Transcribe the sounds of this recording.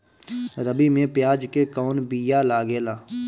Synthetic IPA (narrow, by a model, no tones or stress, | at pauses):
ɾəbimẽpjaːd͡ʒkekɔːnbijalaːɡeːlaː